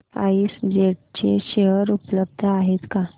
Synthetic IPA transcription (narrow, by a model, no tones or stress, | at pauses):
a̰isd͡ʑeʈt͡ɕeɕeɦəɾupləb̚d̪ʱəaɦet̪ka